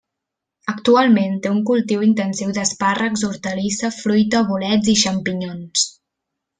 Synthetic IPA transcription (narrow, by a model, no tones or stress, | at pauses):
əkt̪ualˠment̪euŋkulˠt̪iwint̪ənsiwd̪əsparəkzuɾt̪əlisəfɾujt̪əβulɛd͡ziʃəmpiɲons